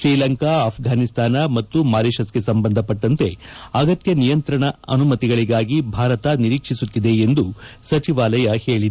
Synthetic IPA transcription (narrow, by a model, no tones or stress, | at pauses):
t͡ʃiːlɐŋkaɐːpʰɡʱaːnist̪ʰaːnɐmɐt̪ːumaːɾiːʃɐske̞sɐmbɐnd̪ʱɐpɐʈːɐnt̪e̞ɐɡɐt̪jɐnijɐnt̪ɾɐɳɐɐnumɐt̪iɡɐɭiɡaːɡibʱaːɾɐt̪ɐniɾiːkʂisut̪ːid̪e̞ːnd̪usɐt͡ʃiʋaːlɐjɐheːɭid̪e